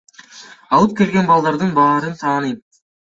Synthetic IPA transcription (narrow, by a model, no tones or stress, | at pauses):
ɑlˠɯp̚kʲe̞lɡʲe̞nbɑlˠd̪ɑɾd̪ɯnbɑːɾɯnt̪ʰɑːnɯj